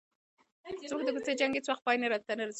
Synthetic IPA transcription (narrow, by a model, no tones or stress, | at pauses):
t͡sok̚d̪əkut͡sed͡ʒaŋɡet͡swaxt̪̚pɑjneɾad̪̚t̪anaɾazi